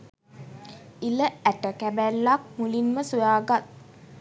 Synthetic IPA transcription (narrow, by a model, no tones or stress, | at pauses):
iləæʈəkæbælːak̚mulinməsujaːɡat̪̚